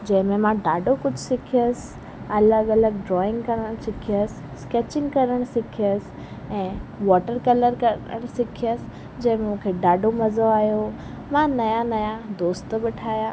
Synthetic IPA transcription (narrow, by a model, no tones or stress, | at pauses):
d͡ʑɐ̃ɦɪ̃mẽmãɖaːɖokʊd͡ʑʱsɪkʰijəs | ɐləɡɐləɡ̚ɖɾɔːɪ̃ŋɡkɐɾəɽ̃sɪkʰijəsɪ̥ | skeːt͡ɕɪ̃ŋɡkɐɾəɽ̃sɪkʰiəs | ɛ̃ːʋɔːʈəɾkɐləɾkɐə̰ɽ̃sɪkʰijəs | d͡ʑɐ̃ɦɪ̃mẽmũːkʰeɖaːɖomɐzoaːjo | mãnɐjanɐjad̪oːst̪bɪʈʰaːja